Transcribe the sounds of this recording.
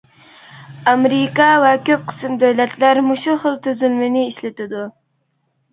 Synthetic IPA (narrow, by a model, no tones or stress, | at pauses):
amɾikɑwakʲøp̚qʰɨ̥sɨmd̪owlat̪laɾmʊʃʊχəlt̪ʰʊzylmɪnɪːʃlet̪ɪd̪ʊ